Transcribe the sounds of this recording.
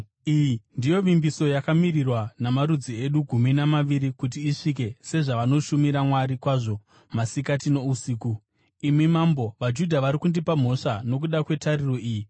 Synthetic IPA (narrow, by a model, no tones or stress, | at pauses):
ijindijo̞ʋimbiso̞jakamirirwanamaɾud͡zie̞ɗuɡʱuminamaʋiɾikut̬iːʂik̬e̞se̞ʐaʋano̞ʃumiɾamwaɾikwaʐo̞ | masikatino̞usiːku | imimambo̞ʋad͡ʒudʱaʋaɾikundipam̤o̞ʂano̞k̬uɗakwe̞taɾiro̞iːji